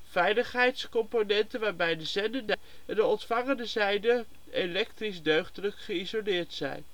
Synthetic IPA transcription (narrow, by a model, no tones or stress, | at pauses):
fɛjləχɦɛjtskɔmponɛntənʋaːɹbɛjdəzɛndəndə | ɛndəɔntfɑŋəndəzɛjdə | elɛk̚trisdøɥχtələkχəizolɪːɹtsɛ̰jn